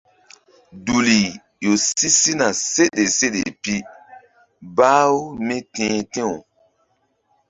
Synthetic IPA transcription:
du˨li˨ | jo˨si˦si˦na˨se˦ɗe˨se˦ɗḛ˨pi˦ | baː˦wo˦me˦tẽː˦tẽ˦o˨

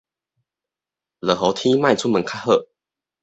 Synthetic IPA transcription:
lə˨˩ɦo˨˦ʊt̪ʰi˦ma˥˨ɪt͡sʰu˥mə˨˦nkʰa˥˦xɤ̰˥˧˨

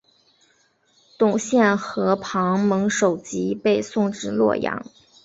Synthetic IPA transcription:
t̪ʊ˨˩ŋɕjɛ˥˩nxɤ˧˥pʰɑ˧˥ŋmɤ˧˥ŋʂo˨˩ʊt͡ɕi˧˥pe˥˧ɪsʊ˥˧ŋʈ͡ʂɻ̩˥˩lwɔ̰˥˩jɑ̰˧˥ŋ

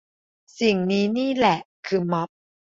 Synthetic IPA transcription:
si˨˩ŋniː˦˥niː˥˩lɛ˨˩ʔkʰɯː˧mɔ˦˥p̚

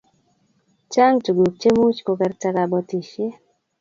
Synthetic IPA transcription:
t͡ʃa˦ŋtu˨ɡu˨k̚t͡ʃe˦mu˦t͡ʃko˨˦kɛ˦ɾt͡ʃa˦ka˨bɔ˧ti˨ʃe˦

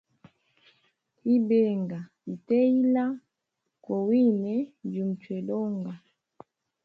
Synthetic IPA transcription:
i˦bɛ˦˨ŋɡa˨ | i˨tɛ˦i˦la˦ | kɔ˨wi˦nɛ˨˦d͡ʒu˨m̩˨t͡ʃwɛ˨lɔ˦ŋɡa˨

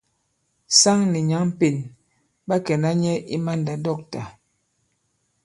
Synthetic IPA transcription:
sa˦ŋni˨ɲa˨˦ŋm̩˦pi˨n | ba˦kɛ˨na˦ɲɛ˦ʔi˦ma˦nda˨dɔ˦˨k̚ta˨

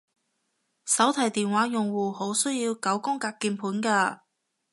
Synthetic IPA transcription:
sɐ˨˥wt̪ʰɐ˨˩jt̪iː˨nwaː˨˥jʊ˨˩ŋwuː˨ho˨˥wsɵ˥ɥjiː˧wkɐ˨˥wkʊ˥ŋkaː˧k̚kːiː˧npʰuː˨˥nkaː˧

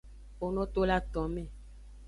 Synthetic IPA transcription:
o˨nɔ̃˦t̪o˦la˦t̪ɔ̃˨mẽ˦˨

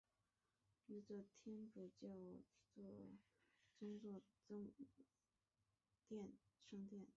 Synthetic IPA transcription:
ni˥˩t͡sə˥˩t̪ʰjɛ˥nʈ͡ʂu˨˩t͡ɕjɑ˥˩ʊt͡swɔ˥˩ | t͡sʊ˥ŋt͡swɔ˥˩t͡sʊ˥ŋ | t̪jɛ˥˩nʂɤ˥ŋt̪jɛ˥˩n

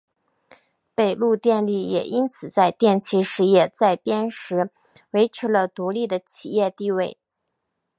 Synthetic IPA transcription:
pe˨˩ɪlu˥˧t̪jɛ˥˧nli˥˩jɛ̰˨˩ʔi˥nt͡sʰɹ̩˨˩t͡sa˥˧ɪt̪jɛ˥˩nt͡ɕʰi˥ʂɻ̩˥˧jɛ˥˩t͡sa˥˩ɪpjɛ˥nʂɻ̩˧˥ | we˧˥ɪʈ͡ʂʰɻ̩˧˥lə˧t̪u˧˥li˥˩d̪ə˩t͡ɕʰi˨˩jɛ˥˧t̪i˥˧we˥˩ɪ

